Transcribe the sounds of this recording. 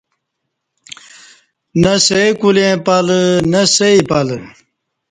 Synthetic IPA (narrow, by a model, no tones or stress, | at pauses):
nɐsejkulẽpɐlnɐseipɐl